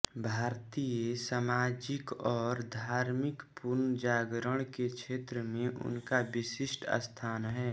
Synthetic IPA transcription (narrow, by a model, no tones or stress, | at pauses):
bʱaːɾt̪ijesamaːd͡ʒɪkɔːɾd̪ʱaːɾmɪkpʊɾnəd͡ʒaːɡɾəɽ̃kekʃʰeːt̪ɾəmẽʔʊ̰nkaʋɪsɪʃʈə̰st̪ʰaːnɦɛː